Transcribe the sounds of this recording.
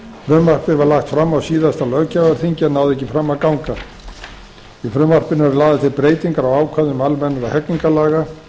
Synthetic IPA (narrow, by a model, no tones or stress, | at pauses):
fɾʏmvar̥pɪvaɾlaxt̪fɾamːawsiːðast̪alœɥcavaɾ̥θiɲcɪɛnːaːwðɛcːɪfɾamːaðkawŋka | ifɾʏmvar̥pɪnvɛɾlaːðat̪ʰɪlpɾeːjt̪iŋkaɾawaːwkʰvaðʏmalmɛnːaɾahɛkniŋkalaːɣa